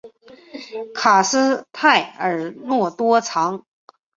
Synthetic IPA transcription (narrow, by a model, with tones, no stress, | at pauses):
kʰa˨˩sɹ̩˥t̪ʰa˥˩ɪə˞˨˩˥nwɔ˥˩t̪wɔ˥t͡sʰɑ˧˥ŋ